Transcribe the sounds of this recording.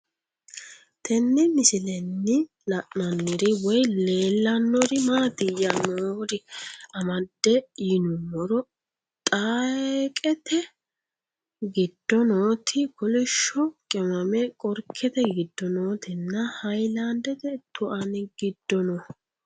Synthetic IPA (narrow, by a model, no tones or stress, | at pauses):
t̪ʰɛnːɪmɪsɪlɛnːɪ | lɐʔnɐnːɪɾɪwɔjle̞ːlːɐnːɔɾɪmaːt̪ɪjɐnoːɾɪɐmɐd̪ːɛiːnʊmːɔɾɔ | t̪ʼakʼɛt̪ɛ | ɡɪd̪̥ːɔnoːt̪ʰɪkɔlɪʃːɔkʼɛmɐmɛkʼɔɾkʰːɛt̪ɛɡɪd̪ːɔnoːt̪ʰɪnːɐhɐjlɐnd̪ɛt̪ɛt̪ʊʔɐnɪɡɪd̪̥ːɔnɔ